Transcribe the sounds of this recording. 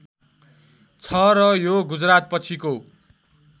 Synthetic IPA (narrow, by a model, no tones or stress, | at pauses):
t͡sʰʌɾʌjoɡud͡zrat̪̚pʌt͡sʰiko